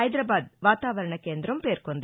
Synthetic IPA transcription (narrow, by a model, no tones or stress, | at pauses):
ɐjd̪ɾɐbaːd̪ʋaːt̪aːʋɐɾɐɳɐkeːnd̪ɾɐmpeːɾkond̪i